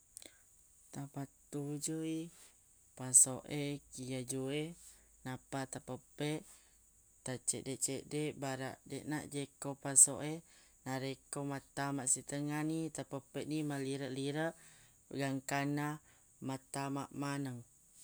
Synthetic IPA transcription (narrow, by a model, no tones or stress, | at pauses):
t̪apat̪ud͡ʒoi | pasoʔekijad͡ʒuenapat̪apəpeʔ | t̪at͡ʃɛʔdeʔt͡ʃeʔdeʔbaɾa̰ʔdeʔna̰ʔd͡ʒekopasoʔe | naɾekomat̪amaʔsit̪əŋanit̪apəpeʔnimaliɾəʔliɾəʔ | ɡaŋkana | mat̪amaʔmanəŋ